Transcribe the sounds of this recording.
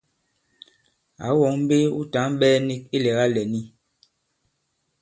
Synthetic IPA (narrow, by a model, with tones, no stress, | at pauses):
a̰˨˦wɔ˨˦ŋm̩˦be˦ṵ˦ta˨˦mbɛː˦ni˦k̚i˦lɛ˨ɣa˦lɛ˨ni˦